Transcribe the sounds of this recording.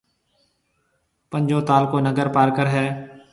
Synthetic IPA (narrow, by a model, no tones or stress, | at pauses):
pə̃ɲd͡ʒõːt̪aːlkoːnəɡəɾpaːɾkəɾɦɛː